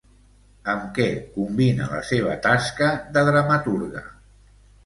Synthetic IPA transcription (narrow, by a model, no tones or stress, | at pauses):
əmkɛkumbinə̰lə̰seβ̞ə̰t̪askəðəðɾəmət̪uɾɣə̰